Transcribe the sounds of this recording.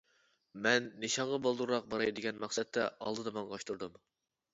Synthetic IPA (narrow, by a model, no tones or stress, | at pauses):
mɛnːɨʃɑɴʁɑbolˠd̪uɾuɾɑq̚bɑɾɑjd̪ɪɡʲɛnmɑχsɛt̪ʰːɛɑ̰lˠd̪ɨd̪ɑmɑŋʁɑʃt̪ʰuɾd̪um